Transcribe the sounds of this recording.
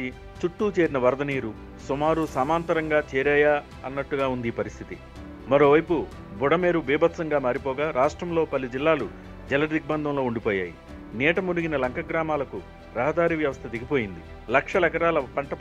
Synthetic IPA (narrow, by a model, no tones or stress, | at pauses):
i | t͡ʃuʈːuːt͡ʃe̞ːɾinɐʋɐɾd̪ɐniːɾu | sumaːɾusaːmaːnt̪ɐɾɐŋɡaːt͡ʃɛːɾɛːjaː | ɐnːɐʈːuɡaːund̪ipɐɾist̪ʰit̪i | mɐɾo̞ːʋɐjpu | buɽɐme̞ːɾubiːbɐt̪sɐŋɡaːmaːɾipɔːɡaːɾʔaːʂʈɾɐmlo̞ːpɐlːid͡ʒilːaːlu | d͡ʒɛlɐɾd̪ik̚bɐnd̪ʱɐmlo̞ːuɳɖipoːja̰ːji | nɛːʈɐmuɽuɡinɐlɐŋkʰɐɡɾaːmaːlɐku | ɾɐɦɐd̪aːɾiʋjɐʋɐst̪ʰɐd̪iɡipo̞ːjind̪i | lɐkʂɐlɛkɐɾaːlɐpɐɳʈɐ